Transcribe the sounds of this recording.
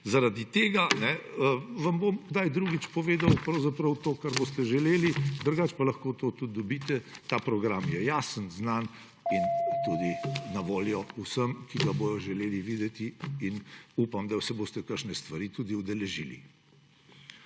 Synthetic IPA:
zaɾad̪it̪eːɡanɛʋambomɡd̪ajd̪ɾuɡit͡ʃpɔʋeːd̪awpɾɐwzapɾɐwt̪oːkaɾboːst̪ɛʒɛleːlid̪əɾɡat͡ʃpalɐxkoːt̪ot̪ut̪̚d̪ɔbit̪ɛt̪aːpɾɔɡɾamjɛjasənznan | int̪ud̪inɐʋoːljɔusəmkiɡaboːjɔʒɛleːliʋiːd̪ɛt̪iːnupamd̪ɐwsɛboːst̪ɛkəɾʃnɛst̪ʋaɾiːt̪ud̪iud̪ɛlɛʒiːlḭ

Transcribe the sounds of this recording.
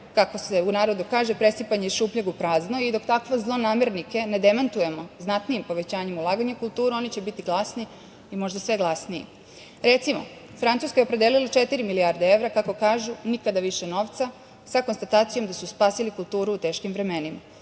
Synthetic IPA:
kako̞se̞unaːɾo̞d̪ukaːʒe̞pɾe̞sipaɲeiʃuːpʎaɡupɾaːzno̞id̪o̞kt̪akʋozlˠo̞naːmeɾnike̞ne̞d̪emant̪uje̞mo̞znat̪nijimpo̞ʋet͡ɕaːɲe̞mulˠaːɡaɲekulˠt̪uːɾuo̞nit͡ɕebit̪iɡlˠasni | imo̞ʒd̪asʋe̞ɡlˠasnijḭ | ɾe̞t̪simo̞̰ | fɾant̪uːskajeopɾed̪elilat͡ʃet̪iɾimilijaɾd̪ee̞ʋɾakako̞kaːʒunikad̪aʋiʃe̞no̞ːʋt̪sa | sakonst̪at̪aːt̪sijo̞md̪asuspaːsilikulˠt̪uːɾuːt̪e̞ːʃkimʋɾe̞me̞nima

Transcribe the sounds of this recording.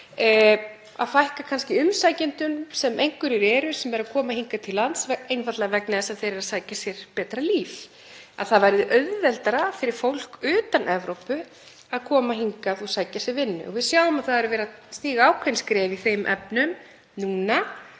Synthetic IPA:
a̰ðfajhkakʰanscɪʏmsajcɪnt̪ʏmsɛmʔejŋkʏɾɪɾɛːɾʏsɛmːɛɾakʰɔːmaɦiŋkat̪ʰɪlant̪svɛejnfaɾt̪lɛɣavɛknaðɪsaθejɾɛɾaðsaːjcasjɛɾ̥pɛːt̪ɾaliːf | aðθaðvajɾðʏʔœɥððɛlt̪aɾafɪɾɪɾ̥fowl̥kʏːt̪anʔɛvɾowpʏ | aðkʰɔːmaɦiŋkaθusaːjcasɛvɪnːʏ̰ʔɔvɪðsjaːwʏmaðθaðɛɾʏvɛːɾa | st̪iːɣaaːwkʰvɛnskɾɛːviθejmʔɛ̰pnʏm | nuːna

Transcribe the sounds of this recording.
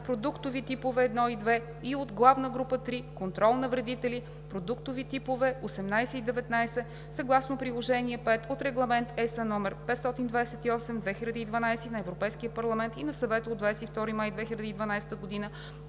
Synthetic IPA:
pɾod̪ukt̪ovit̪ipovɛːd̪nɔid̪vɛ | iod̪ɡlˠavnəɡɾupət̪ɾikont̪ɾɔlˠnɐvɾɛd̪it̪ɛli | pɾod̪ukt̪ovit̪ipovɛosɛmnajsɛid̪ɛvɛt̪najsɛ | sɐɡlˠasnopɾilˠoʒɛniɛpɛt̪ot̪ɾɛɡlˠɐmɛnt̪ɛsənɔmɛɾpɛt̪st̪ɔt̪ind̪vad̪ɛsɛt̪iɔsɛmd̪vɛxilʲɐd̪iːd̪vɐnajsinɐɛvɾopɛjskiəpɐɾlˠɐmɛnt̪inɐsɐvɛt̪əod̪vajsɛift̪ɔɾimajd̪vɛxilʲɐd̪iːd̪vɐnajsɛ̥t̪əɡod̪inə

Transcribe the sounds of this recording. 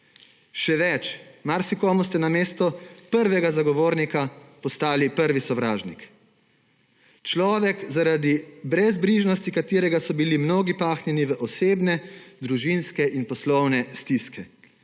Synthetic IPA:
ʃɛʋɛt͡ʃmaɾsikɔːmust̪ɛnameːst̪ɔpəɾʋɛɡazaɡɔʋoːɾnikapɔst̪aːlipəɾʋisɔʋɾaːʒnik | t͡ʃlɔːʋɛkzaɾad̪ibɾɛzbliːʒnɔst̪ikat̪iːɾɛɡasɔbilimnoːɡipaːxnɛniʋəʔɔseːbnɛd̪ɾuʒinskɛʔinpɔslɔwnɛst̪iskɛ

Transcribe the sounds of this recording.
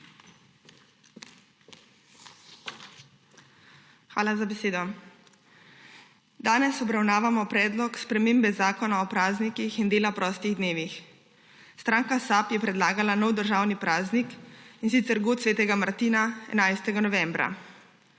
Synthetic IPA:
xʋa̰ːlazabɛseːd̪ɔ | d̪aːnɛsɔbɾawnaːʋamɔpɾɛːd̪lɔkspɾɛmeːmbɛzaːkɔnaɔpɾaːznikixind̪eːlapɾɔːst̪iɣd̪neːʋix | st̪ɾaːŋkasapjɛpɾɛd̪laːɡalanɔwd̪əɾʒaːwnipɾaːznikinsit̪sɛɾɡot̪sʋeːt̪ɛɡamaɾt̪iːnaɛ̰najst̪ɛɡanɔʋɛmbɾa̰

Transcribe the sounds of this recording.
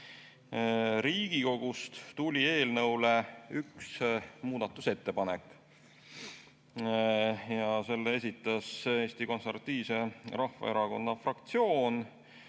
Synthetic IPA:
ɾiːɡ̥iko̞ɡ̥ust̪t̪ulʲie̞ːlnɤwleyksmuːd̪̥ɑt̪ːˑuse̞t̪ːe̞pɑnekːˑ | jɑse̞lːees̬ʲit̪ːˑɑse̞ːst̪iko̞nservɑt̪ːˑiːvse̞rɑhvɑ̰e̞ɾɑko̞nːɑfrɑkt̪sio̞ːn

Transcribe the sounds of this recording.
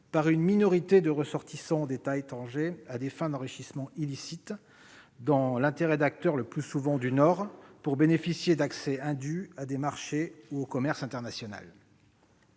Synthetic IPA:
paʁynminɔʁit̪ed̪əʁəsɔʁt̪isɑ̃d̪et̪ajt̪ɑ̃ʒead̪efɛ̃d̪ɑ̃ʁiʃismɑ̃ilisit̪ | d̪ɑ̃lɛ̃t̪eʁɛd̪ak̚t̪œʁləplysuvɑ̃d̪ynɔʁpuʁbenefisjed̪aksɛɛ̃d̪yad̪emaʁʃeuokɔmɛʁsɛ̃t̪ɛʁnasjɔna̰l

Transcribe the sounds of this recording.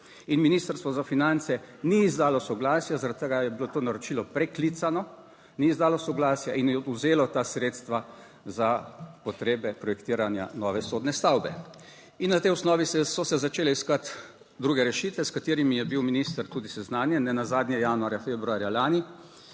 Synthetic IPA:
inminiːst̪əɾst̪ʋɔzafinant̪sɛniːzd̪aːlɔsɔɡlaːsjazaɾat̪̚t̪əɡajɛbilot̪oːnaɾɔt͡ʃiːlɔpɾɛklit̪sanɔ | niizd̪aːlɔsɔɡlaːsjaʔinjɛuzeːlɔt̪asɾet̪st̪ʋa | zapɔt̪ɾeːbɛpɾɔjɛkt̪iːɾanja̰nɔːʋɛsoːd̪nɛst̪awbɛ | inːat̪ɛjɔsnɔːʋisɛsɔsɛzat͡ʃeːlɛiskat̪ | d̪ɾuːɡɛɾɛʃit̪ʋɛskat̪iːɾimijɛbiwminist̪əɾt̪uːd̪isɛznaːnjɛnɛnazaːd̪nʲɛjaːnuaːɾjafeːbɾuaːɾjalaːni

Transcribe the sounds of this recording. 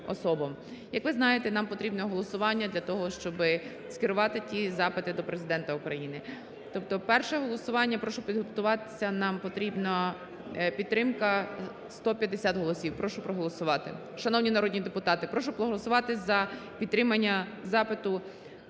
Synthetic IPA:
ɔ̰sɔbɔm | jɐkʋɪznɑjet̪ɛnɑmpɔt̪ɾʲibnɔɦɔlˠɔsʊʋɑnʲːɐd̪lʲɐt̪ɔɦɔʃt͡ʃɔbɪ | skʲɪɾʊʋɑt̪ɪtʲizɑpɪt̪ɪd̪ɔpɾezɪd̪ɛnt̪ɐukɾɐjinɪ | t̪ɔp̚t̪ɔpɛrʃɛɦɔlˠɔsʊʋɑnʲːɐpɾɔʃʊpʲid̪ɦɔpt̪ʊʋɑt̪ɪ̥sʲɐnɑmpɔt̪ɾʲibnɐ | pʲid̪t̪ːɾɪmkɐ | st̪ɔpʲjɐd̪ːesʲat̪ɦɔlˠɔsʲiwpɾɔʃʊpɾɔɦɔlˠɔsʊʋɑt̪ɪ̰ | ʃɐnɔwnʲinɐɾɔd̪ʲnʲid̪epʊt̪ɑt̪ɪpɾɔʃʊpɾɔɦɔlˠɔsʊʋɑt̪ɪzɐpʲid̪̚t̪ːɾɪmɐnʲːɐzɑpɪt̪ʊ

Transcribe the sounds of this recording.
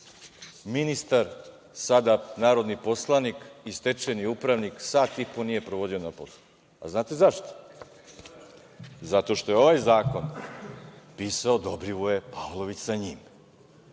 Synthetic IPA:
minist̪aɾ | sad̪anaːɾo̞d̪nipo̞slˠanikist̪et͡ʃeniupɾaʋniksaːt̪ipo̞nije̞pɾoʋo̞d̪io̞napos | a̰znaːt̪e̞zaʃt̪o̥ | zat̪o̞ʃt̪o̞jeo̞ʋajzaːko̞n | piːsaod̪obɾiʋoje̞palˠo̞ʋit͡ɕsaɲim

